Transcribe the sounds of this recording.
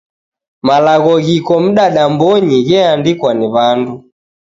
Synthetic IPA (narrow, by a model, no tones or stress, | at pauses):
malaɣɔɣikɔm̩ɗaɗambɔɲiɣɛandikwaniβandu